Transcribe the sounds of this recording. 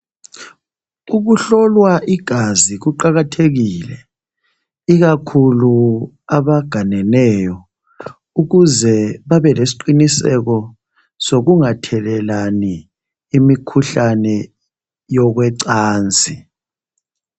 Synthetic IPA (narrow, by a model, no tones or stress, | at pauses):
uɣuɬɔlwaʔiɡ̥ʱaziɣuǃaɣatʰeɣiːlɛ | iɣakʰulu | aβaɡ̥ʱanɛnɛjɔ | uɣuzɛβaβɛlesi̥ǃinisɛ̰k̬ɔ | soɣuŋatʰɛlɛlaniː | mikʰuɬanɛ | jɔɣ̬wɛǀaːnt͡sʼi